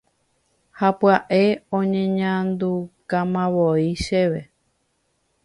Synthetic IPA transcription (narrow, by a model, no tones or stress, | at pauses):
hapwaʔe̞õɲẽɲãnd̪ukãmãβoiʃeʋe̞